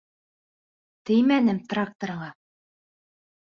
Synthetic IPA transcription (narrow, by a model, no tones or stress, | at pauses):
t̪ɘ̆jmænɘmt̪rak̚t̪oɾɤɴɑ